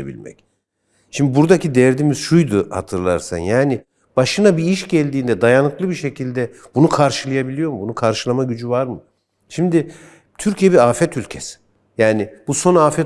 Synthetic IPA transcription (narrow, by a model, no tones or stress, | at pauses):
ḛbḭlʲmɛ̰c | ʃimd̪ibuɾd̪acʰid̪ɛɾd̪imiz̥ʃujd̪ʊha̰t̪ʰɯɾlˠa̰ɾsa̰njaːnɪ | b̥aʃɯnabiiʃɟɛlʲd̪iːnd̪ɛd̪ajanɯklˠɯbiʃe̞cʰilʲd̪ɛ | bunukʰaɾʃɯlˠajabilʲijo̞mɯbunukʰaɾʃɯlˠamaɟyd͡ʒyvaɾmɯ | ʃimd̪ɪ | t̪ʰyɾcijɛbiɾaːfɛt̪ʰylʲcʰesi̥ | jaːnɪbusonaːfɛ